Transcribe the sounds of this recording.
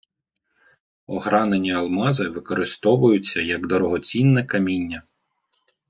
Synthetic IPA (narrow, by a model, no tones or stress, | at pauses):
ɔɦɾɑnenʲiɐlˠmɑzɪʋɪkɔɾɪst̪ɔʋʊjʊt͡sʲːɐjɐɡd̪ɔɾɔɦɔt͡sʲinːɛkɐmʲinʲːɐ